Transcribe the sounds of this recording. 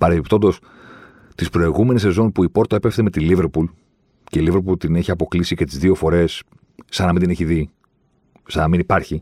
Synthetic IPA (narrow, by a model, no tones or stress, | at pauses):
pɐɾepipt̪o̞nd̪o̞s | t̪ispɾo̞iɣume̞nise̞zo̞npuipo̞ɾt̪oepefθeme̞t̪ilive̞ɾpul | ce̞ilive̞ɾpult̪ineçiɐpo̞klisice̞t̪izðio̞fo̞ɾe̞sː | ɐnɐmind̪ineçiði | sɐnɐminipɐɾçi